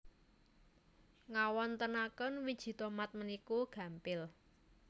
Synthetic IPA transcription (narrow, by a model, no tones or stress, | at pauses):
ŋawɔnt̪ənakənwid̥ʒ̥i̤t̪omat̪̚mənikuɡ̥ä̤mpɪl